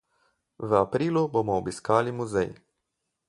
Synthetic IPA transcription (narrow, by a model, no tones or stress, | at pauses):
ʋəapɾiːluboːmɔːbiskaːlimuzɛj